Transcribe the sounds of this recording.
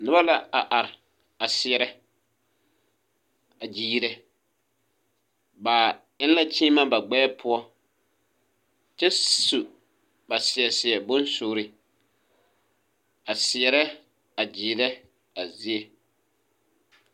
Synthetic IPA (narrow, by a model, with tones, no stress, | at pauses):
nɪ˦ba˦la˦a˨ʔa˨ɾɪ˨ | a˨sɪ˨ɛ˨ɾɛ˦ | a˨d͡ʒiː˦ɾɛ˦ | ba˨ | ɪ˦n˦la˦t͡ʃiː˦ma˦ba˨ɡ͡bɛː˦pʰʊ˦ɔ˦ | t͡ʃɛ˦su˨ | ba˨sɪ˨ɛ˨sɪ˨ɛ˨bʊ˦nsʊː˨ɾɪ˦ | a˨sɪ˨ɛ˨ɾɛ˦ | a˨d͡ʒiː˨ɾɛ˦ | a˨zi˦e˨